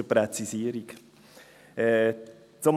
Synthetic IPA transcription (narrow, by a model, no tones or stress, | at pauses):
əpɾɛt͡sisiːəɾik | ɛ | t͡som